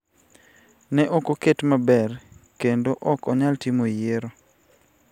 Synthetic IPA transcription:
nɛʔokoketmabɛrkendoʔɔkɔɲaltɪmojeɾo

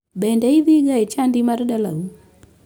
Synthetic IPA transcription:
bɛndɛiðiɡaɛt͡ʃandimaɾdala̰u

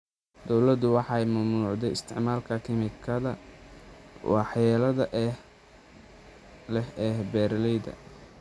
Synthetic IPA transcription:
d̪ɔwlɐd̪ʊwɑħɑjmʊmnuːʕd̪ɛjɪst̪ʰɪʕmaːlkʰɐkʰɪmɪkʰɐðɐ | wɑħjɛːlɐðɐʔɛ | lɛhɛhbɛːɾlɛjd̪ɐ̰

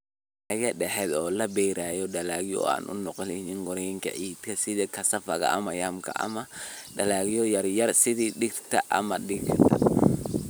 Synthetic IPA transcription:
ɐɣɐɗɛħɛd̪ɔːlɐbɛjɾaːjɔɗɐlaːɣjɔ̰a̰ːnʔʊ̰nɔqɔlɪnɪŋɡɔɾɛjŋkʰɐ̰ʕiːd̪kʰɐsɪðiːkʰɐsɐfɐɣɐ̰ʔɐ̰mɐjamkʰɐ̰ʔɐ̰mɐɗɐlaːɣɪjɔjɐrjɐrsɪðiːɗɪɡt̪ʰɐʔɐmɐɗɪɡt̪ʰɐ̰

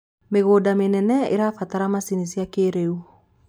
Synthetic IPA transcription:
meɣoːdamenɛnɛḛɾafat̪aɾamasinisiakeɾeu

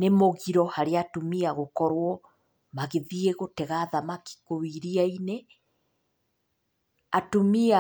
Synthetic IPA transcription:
nemoɣiɾɔhaɾeatomiaɣokɔɾwɔ | maɣeðieɣotɛɣaðamaki̥kowiɾiaine | atomia

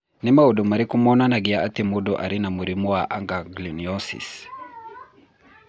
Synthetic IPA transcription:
nimaudɔmaɾikumɔnanaɡiaatimudɔʔaɾinamuɾimuwaʔaŋɡaɡliniɔsḭs

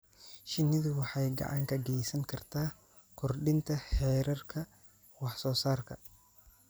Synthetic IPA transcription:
ʃɪnːɪðʊwɑħɑjɡɑ̰ʕɑŋkʰɐɡɛjsɐŋkʰɐrt̪ʰaː | kʰʊrɖɪnt̪ʰɐħɛːɾɐrkʰɐ | wɑħsɔːsaːrkʰɐ

